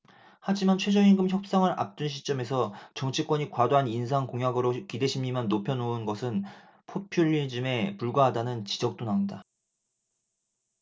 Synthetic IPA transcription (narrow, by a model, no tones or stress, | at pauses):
had͡ʑimant͡ɕʰwe̞d͡ʑʌinɡɯmçjʌp̚s͈aŋɯɾʔa̰p̚t͈ɯnɕʰi̥t͡ɕ͈ʌme̞sʰʌt͡ɕʌŋt͡ɕʰik͈wʌɲikwadoɦaninsʰaŋkoŋɦjaɡɯɾokide̞ɕʰimːimanːopʰjʌnounɡʌsʰɯn | pʰopʰjuʎːid͡ʑɯme̞puɭɡwaɦadanɯnt͡ɕid͡ʑʌk̚t͈onaunda